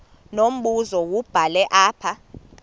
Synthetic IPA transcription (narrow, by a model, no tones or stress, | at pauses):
nom̩ɓuzɔwub̥ʱalɛʔaːpʰa